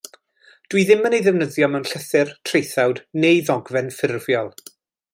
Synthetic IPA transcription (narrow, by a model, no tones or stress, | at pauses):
d̥wiðɪmənejðɛvnəðjɔmɛwnɬəθɪrtʰrejθawdnejðɔɡvɛnfɪrvjɔlˠ